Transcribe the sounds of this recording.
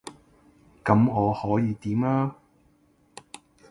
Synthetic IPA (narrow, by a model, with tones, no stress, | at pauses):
kɐ˨˥mŋɔː˨˧hɔː˨˥jiː˨˧t̪iː˨˥mlaː˥